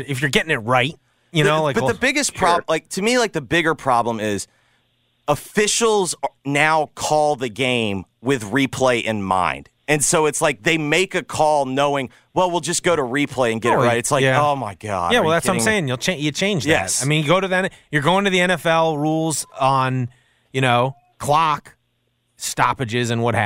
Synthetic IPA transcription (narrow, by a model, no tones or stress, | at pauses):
ɨfjə˞ɡɛɾɪ̃ŋɨt̚ɹaɪt̚ | jɨnoʊlaɪb̥ʌt̚ðɨbɪɡɨspʰɹ̥ɑlaɪk̚tʰɨmilaɪk̚ðɨbɪɡə˞pʰɹ̥ɑblə̃mɪz̥ | əfɪʃl̩ˠznaʊkʰɔlˠðɨɡẽɪ̃m | wɪðɹipʰl̥eɪʔɨ̃nmã̰ɪ̃nd̥ | ɨ̃nsoʊɨtslaɪk̚ðeɪmeɪkɨkʰɔlˠnoʊɪ̃ŋ | wɛlˠwilˠd͡ʒʌsɡ̥oʊɾəɹipʰl̥eɪɨ̃nɡɛɾɨtʔɹaɪɾɨtslaɪoʊmaɪɡɑ̰d̥jæwɛlˠðætsãɪ̃ŋeɪɪ̃ŋjɨl̩ˠt͡ʃʰẽɪ̃jɨt͡ʃʰẽɪ̃nd͡ʒjðɛæ̰t̚aɪmĩnjɨɡoʊɾɨðiɛnjə˞ɡoʊɪ̃ŋtʰɨðiɛ̃ñɛfɛlˠɹulˠzn̩ | jɨñoʊ | kʰl̥ɑk | stɑ̰pɨd͡ʒɪzɨ̃nwʌt̚hæ